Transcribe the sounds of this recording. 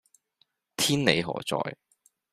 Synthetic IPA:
t̪ʰiː˥nnḛ˨˧jɦɔ̰ː˨˩t͡sɔ̰ː˧j

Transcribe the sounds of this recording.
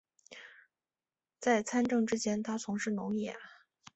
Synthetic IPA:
t͡sa˥˩ɪt͡sʰa˥nʈ͡ʂɤ˥˩ŋʈ͡ʂɻ̩˥t͡ɕjɛ˥nt̪ʰa˥t͡sʰʊ˧˥ŋʂɻ̩˥˩nʊ˧˥ŋjɛ̰˥˩

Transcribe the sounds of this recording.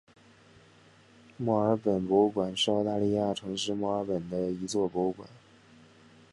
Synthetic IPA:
mwɔ˥˩ə˞˧˥pə˨˩npo˧˥˧kwa˨˩nʂʊt̪a˥˧li˥˧ja˥˩ʈ͡ʂʰɤ˧˥ŋʂɻ̩˥mwɔ˥˩ə˞˧˥pə˨˩nd̪ə˦i˧˥t͡swɔ˥˩po˧˥˧kwa̰˨˩˦n

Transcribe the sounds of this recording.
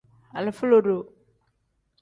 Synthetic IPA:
a˨lɪ˨fu˦lo˨ɾo˨

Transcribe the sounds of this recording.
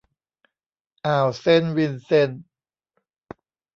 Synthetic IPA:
ʔaː˨˩wse˥˨nwi˧nse˧˥˩n

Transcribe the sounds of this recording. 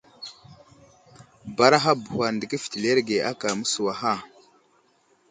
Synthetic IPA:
ba˨ɾa˦ɦa˦bu˨hʷa˨ndə˨ɡi˦fi̥˨ti˨le˦ɾɡe˨ʔa˦ka˨mə˦su˨wa˨ɦa˦˨

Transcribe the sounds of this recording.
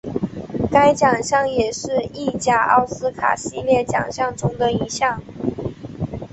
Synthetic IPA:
ka˥ɪt͡ɕjɑ˨˩ŋɕjɑ˥˩ŋjɛ˨˩ʂɻ̩˥˧i˥˩t͡ɕja˥ɑ̰˥˩ʊsɹ̩˥kʰa̰˨˩ɕi˥˧ljɛ˥˩t͡ɕjɑ̰˨˩ŋɕjɑ˥˩ŋʈ͡ʂʊ˥ŋd̪ə˨i˧˥ɕjɑ˥˩ŋ

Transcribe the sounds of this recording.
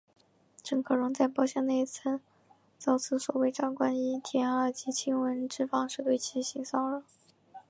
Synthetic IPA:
ʈ͡ʂɤ˨˩ŋkʰɤ˨˩ɻʊ˧˥ŋt͡sa˥˧ɪpɑ˥˧ʊɕjɛ˥˧ne˥˧ɪ˧˥t͡s̩ʰ˥˩ | t͡sɑ˥˩ʊt͡sʰɹ̩˥˩swɔ˨˩we˥˧ɪʈ͡ʂɑ˥˩ŋkwa˥ni˥˩t̪ʰjɛ˧˥nə˞˥˩t͡ɕi˧˥t͡ɕʰi˥ŋwə˧˥nʈ͡ʂɻ̩˥˧fɑ˥˧ŋʂɻ̩˥˧t̪we˥˩ɪt͡ɕʰi˧˥ɕi˧˥ŋsɑ˥˩ʊə˧˥˧

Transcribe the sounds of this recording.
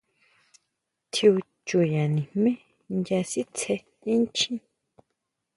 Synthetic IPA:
t̪ʰi˧u˧ | t͡ʃu˨ja˨nĩ˨hmẽ˦ | ndja˧si˦t͡sʰe˧ | ĩ˦nt͡ʃʰĩ˦

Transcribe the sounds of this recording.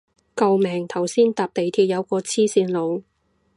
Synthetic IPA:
kɐ˧wmɛː˨˩ŋt̪ʰɐ˨˩wsiː˥nt̪aː˨p̚t̪e˨jt̪ʰiː˧p̚jɐ˨˧wkɔː˧t͡sʰiː˥siː˧nlo˨˧w

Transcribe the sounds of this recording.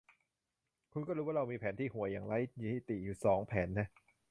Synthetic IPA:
kʰu˧nkɔː˥˩ɾuː˦˥waː˥˩ɾa˧wmiː˧pʰɛː˩˦nt̪ʰiː˥˩hu˩˦əjaː˨˩ŋɾa˦˥jjiː˧˨˩hi˨˩t̪i˨˩juː˨˩sɔː˩˦ŋpʰɛː˨˩˦nːa˦˥

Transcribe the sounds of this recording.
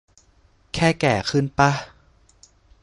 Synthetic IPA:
kʰɛː˥˩kɛː˨˩kʰɯ˥˨npa˦˧

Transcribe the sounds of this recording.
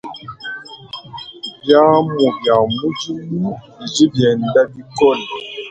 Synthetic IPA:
bja˦mu˨bja˨mu˦d͡ʒi˦mu˦bi˨d͡ʒi˦bjɛ˨n˨˦da˦bi˦kɔ˦˨n˨

